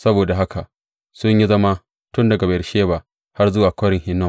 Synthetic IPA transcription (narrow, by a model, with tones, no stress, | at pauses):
sɐ˦boː˨da˨ɦa˦kʰa˨ʔ | sʊ˦ɲji˦zɐ˦ma˦ | tʊ˦ndɐ˨ɡa˨ba˨ʃeː˦ba˨ | ha˦rzʊ˦waː˨kʷɐ˦ɾɪ˨ŋhɪ˦nːɔ˦˨